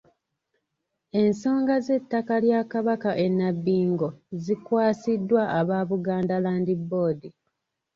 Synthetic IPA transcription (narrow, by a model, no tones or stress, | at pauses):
e̞nso̞ːŋɡaze̞tːakaljakaβakaʔe̞nːabːiːŋɡo̞zikwaːsidːwaʔaβaβuɡaːndalaːndibːo̞ːdi